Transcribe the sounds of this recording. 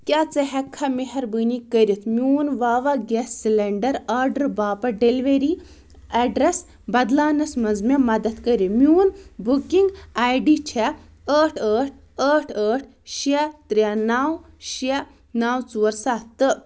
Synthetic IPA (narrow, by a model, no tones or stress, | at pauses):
kʲaːt͡sɐɦɐkʰːɐmiɦɐɾbɨnikəɾʲit̪ʰmʲuːnʋaːʋaɡɛssilɐɳɖɐɾaːɾɖɐɾbaːpɐɖeliʋeɾi | ɐɖɾes | bɐd̪laːnɐsmɐzmʲɛmɐd̪ɐt̪kəɾimʲuːnbukiŋɡaːjɖit͡ʃʰɛ | əːʈʰəːʈ̚ʰ | əːʈʰəːʈʰ | ʃɛt̪ɾʲanaːw | ʃɛ | naːwt͡suːɐɾsaːt̪ːɨ